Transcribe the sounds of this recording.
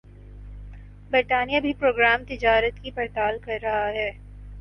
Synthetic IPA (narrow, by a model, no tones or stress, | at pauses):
bɪʈaːnijabʱipɾoːɡɾaːmt̪ɪd͡ʒaːɾət̪kipɐɾt̪aːlkɐɾːɐɦaɦɛː